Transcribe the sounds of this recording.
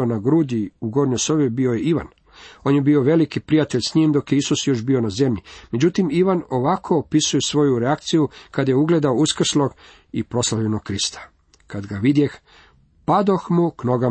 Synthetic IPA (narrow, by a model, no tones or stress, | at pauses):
onaɡɾud̪iuɡo̞ɾɲoso̞ʋebio̞je̞iʋa̰n | o̞ːnjebio̞ʋe̞likipɾijat̪e̞ʎsɲimd̪o̞kje̞isusjo̞ʃbionaze̞mʎime̞d͡ʑut̪imiʋano̞ʋakʰo̞ːpisuje̞sʋo̞juɾeakt̪sijukad̪aje̞uɡle̞d̪aouskr̩slˠo̞ɡ̥ | ipɾo̞slˠaʎʲenoɡ̚kɾist̪ʰḁ | kad̪ɡaʋid̪jex | pad̪o̞xmuknoɡa